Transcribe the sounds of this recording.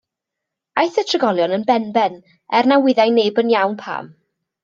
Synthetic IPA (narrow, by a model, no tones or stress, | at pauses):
ajθətʰrəɡɔlˠjɔnənbɛnbɛn | ɛrnawɪðajneːbənjawnpʰa̰ːm